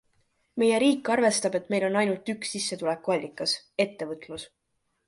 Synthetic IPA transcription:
me̞je̞ɾiːkːˑɑrve̞st̪ɑb̥e̞t̪me̞jlo̞nɑjnult̪yksːisːe̞t̪ulekːˑuɑlʲːikːˑɑse̞t̪ːe̞vɤt̪ˑlus

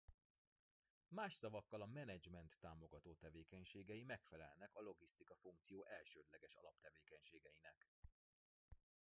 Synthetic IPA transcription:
maːʃsɒvɒkːɒlɒmɛnɛd͡ʒmɛnt̪ːaːmo̞ɡɒt̪oːt̪ɛveːkɛɲʃeːɡɛjimɛkfɛlɛ̰lnɛkɒlo̞ɡist̪ikɒfuŋk̚t̪sijoːʔɛlʃøːd̪lɛɡɛʃɒ̰lɒpt̪ɛveːkɛɲʃeːɡɛjinɛk

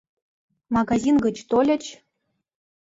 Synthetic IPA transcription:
mɑɡazʲinɡə̆t͡ɕt̪olʲɘ̆t͡ɕ

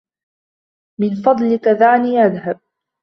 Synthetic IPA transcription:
mɪnfɑd̪ˤlɪkaðaːniːʔaðɦab̚

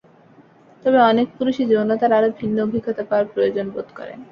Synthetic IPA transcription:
t̪ɔbeɔnek̚puɾuʃid͡ʑonot̪aɾaɾobʱinːoobʱikːot̪apaaɾpɾojod͡ʑonbod̪kɔ̰ɾḛ

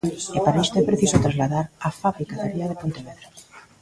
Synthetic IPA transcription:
epaɾaest̪oepɾeθisot̪ɾazlaðaɾafaβɾikaðaɾiaðepont̪eβeðɾo

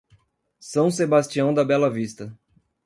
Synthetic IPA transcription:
sɐ̃w̃sebast͡ʃiɐ̃w̃d̪ɐbɛlɐvist̪ɐ

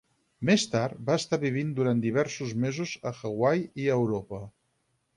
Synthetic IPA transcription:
mest̪aɾt̪baəst̪aβiβ̞ind̪uɾand̪iβ̞ɛɾsuzmezuzəxəɣwajiəwɾopə

